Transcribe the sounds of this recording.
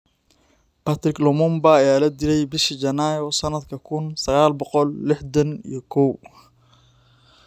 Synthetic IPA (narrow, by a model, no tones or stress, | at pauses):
pʰat̪rɪklɔmʊmbaːjaːlɐd̪ɪlɛjbɪʃid͡ʒɐnaːjɔːsɐnɐd̪kʰɐkʰʊnsɐɣaːlbɔqɔlːɪħd̪ɐnḭjɞkʰɔw